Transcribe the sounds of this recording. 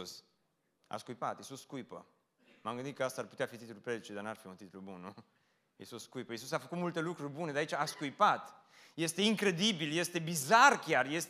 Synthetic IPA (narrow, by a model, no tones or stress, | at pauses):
us | a̰skujpa̰t̪isuskujpə̰ | mamɡɨnd̪it̪kəast̪aarput̪eafit̪it̪ululpɾed̪it͡ʃed̪anuarfiunt̪it̪ulubunnu | isuskujpəjisus̬afəkut̪mult̪e̞lukɾurʲbuned̪jait͡ʃaːskujpat̪ | je̞st̪e̞iŋkɾe̞d̪ibilje̞st̪e̞bizarkʲjarje̞s